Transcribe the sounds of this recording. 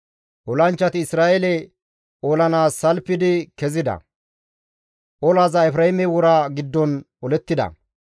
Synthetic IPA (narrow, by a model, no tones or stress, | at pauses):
ʔɔlɐnt͡ʃːɐt̪ɪːsɾaːʔelɛ | oːlɐnaːsːɐlpːɪd̪ɪkɛzɪd̪ɐ̰ | ʔɔlaːzɐɛfɾɐhɪmɛwɔɾaɡɪd̪ːɔn | ɔlɛt̪ːɪd̪ɐ̰